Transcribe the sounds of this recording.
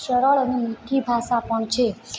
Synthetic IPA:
sʌɾʌɭʌnumiʈ̪ʰːibʱasapʌɳt͡sʰe

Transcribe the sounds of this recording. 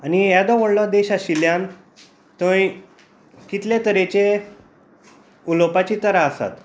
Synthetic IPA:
anijad̪ɔʋəɽlɔd̪eɕaɕiljan | t̪ə̃j | kit̪let̪əɾet͡ɕe | ulopat͡ɕit̪əɾaəsa̰t̪

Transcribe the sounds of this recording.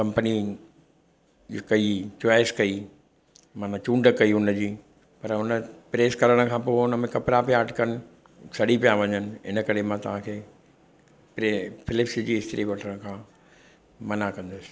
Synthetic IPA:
kɐ̃mpəni | kɐit͡ɕoaːɪskɐi | maːnãt͡ɕũːɳɖəkɐiʊnəd͡ʑiː | pɐɾʊnəpɾeːskɐɾəɽ̃əkʰãːpoːʊnəmẽkɐpɾapijaːʈkɐnɪ̆ | sɐɗipijaʋɐɲənɪ̆ɪ̰nəkɐɾemãt̪ɐʋ̤ãkʰeː | pɾepɪlɪpsd͡ʑiːɦɪst̪ɾiʋɐʈʰəɽ̃əkʰãː | mɐnakɐ̃nd̪ʊsɪ̥

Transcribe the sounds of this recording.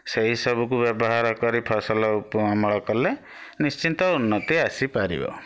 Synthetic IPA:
seɦisɔbuk̬ubjɔbɔɦaɾɔkɔɾipʰɔsɔlɔupɔmɔɭɔkɔle | nist͡ʃint̪ɔunːɔt̪iasipaɾḭbɔ̰

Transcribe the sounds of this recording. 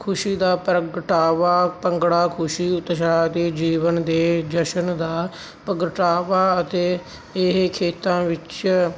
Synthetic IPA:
kʰʊʃiːd̪aːpɾəɡʈaːʋaːpəŋɡɽaːkʰʊʃiːʊt̪ʃaːt̪eːd͡ʒiːʋənd̪eːd͡ʒəʃənd̪aː | pəɡəʈaːʋaːət̪eː | ɪɦkʰeːt̪ãːʋɪt͡ʃ

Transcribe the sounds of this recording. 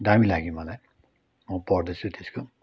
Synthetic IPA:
damilaɡĩmʌlaj | mʌpʌrd̪ʌt͡sʰut̪ʰesko

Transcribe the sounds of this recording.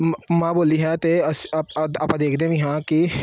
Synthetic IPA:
mãboːliɦɛ̃t̪eɐspɐpãd̪eːkʰd̪eɦũjɐɦãki

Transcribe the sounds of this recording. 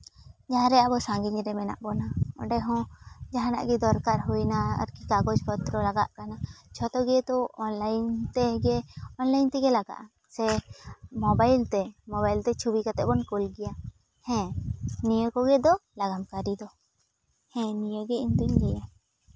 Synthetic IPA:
d͡ʒaɦãɾɛabɔsãŋɡiɲɾɛmɛna̰ʔbɔnaɔ̰̃ɖɛɦɔ̃d͡ʒaɦãna̰ʔɡɛd̪ɔɾkaɾɦujnaa̰ɾkikaɡɔd͡ʒkɔt̪ɾɔlaɡa̰ʔkanat͡ʃʰɔt̪ɔɡɛd̪ɔʔɔnlajnt̪ɛɡɛɔnlajnt̪ɛɡɛlaɡa̰ʔa | sɛ | mɔbajlt̪ɛmɔbajlt̪ɛt͡ʃʰubikat̪ɛʔbɔnkulɡɛja | hɛ̃nijəkɔɡɛd̪ɔlaɡamkaɾid̪ɔ | hɛ̃nijəɡɛind̪uɲɡɛja

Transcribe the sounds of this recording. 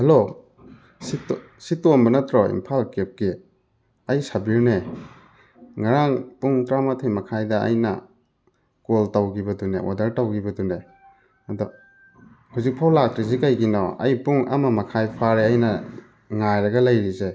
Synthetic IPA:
hɐlo | sit | sitombɐnɐtɾɔḭmpʰalkep̚ki | ɐjsɐbiɾne | ŋaɾaŋpuŋtɾamatʰejmɐkʰajdɐɐ̰jnɐ̰ | koltawɡibɐdunḛwʔa̰dɐɾtawɡibɐdune | ɐdɔ | huzik̚pʰawlak̚tɾizikajɡinɔɐ̰jpuŋa̰mɐmɐkʰajpʰaɾeajnɐ | ŋajɾɐɡɐlɐjɾize

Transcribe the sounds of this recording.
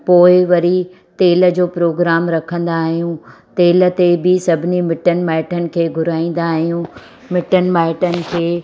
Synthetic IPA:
poːɪʋɐɾi | t̪eːlə̆d͡ʑoːpɾoːɡɾaːmɾɐkʰə̃nd̪aːɦijũt̪eːlə̆t̪ebɪsɐbʱɪnimɪʈənmaːɪʈənɪ̆kʰeːɡʱʊɾaːĩːn̆d̪aːɦijũ | mɪʈənmaːɪʈənɪ̆kʰeː

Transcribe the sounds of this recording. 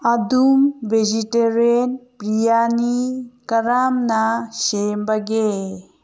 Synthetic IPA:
ad̪umbʱed͡ʒiʈeɾenpɾijanikəɾamnasembaɡe

